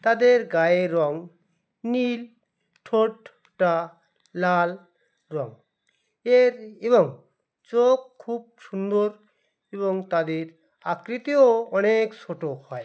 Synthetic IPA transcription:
t̪ad̪eɾɡaeɾɔŋ | nil | ʈʰoʈ | ʈa | lal | ɾɔŋ | eɾebɔŋ | t͡ʃokʰːub̚sund̪oɾ | eboŋt̪ad̪eɾ | akɾit̪ioɔnekt͡ʃʰoʈohɔe

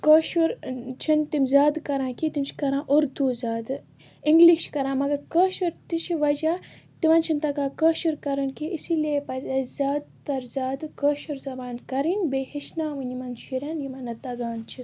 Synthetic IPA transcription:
koːʃuɾt͡ʃʰint̪imʲzaːd̪kɐɾãːkit̪imt͡ʃʰi̥kɐɾãːʔuɾd̪uzaːd̪ | iŋɡliʃkɐɾãːmɐɡɐɾkəːʃuɾt̪it͡ʃʰiʋɐd͡ʒaː | t̪iʋɐnt͡ʃʰint̪ɐɡaːkəːʃuɾkɐɾɐnkiʔisileːpɐzɐzaːd̪̚t̪ɐɾzaːd̪ɨkəːʃuɾzɐbaːnkɐɾinbeːhiʃnaːʋɨnʲimɐnʃʰiɾɐːnjimɐnɐt̪ɐɡaːnt͡ʃʰi

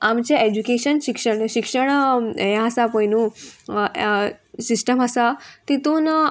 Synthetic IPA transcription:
amt͡ɕeed͡ʑukeɕənɕikʂəɳɕikʂəɳjãɦəsapəjnũ | sisʈəmɦəsat̪it̪uːn

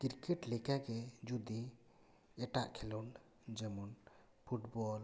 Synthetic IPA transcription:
kiɾkɛʈlɛkaɡɛd͡ʒud̪i | ɛʈaʔkʰɛlun | d͡ʒɛmɔn | pʰuʈbɔl

